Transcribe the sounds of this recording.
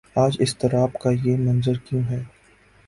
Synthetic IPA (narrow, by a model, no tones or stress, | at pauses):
aːd͡ʒɪst̪ɐɾaːbkajemɐ̃nzəɾkjũːɦɛː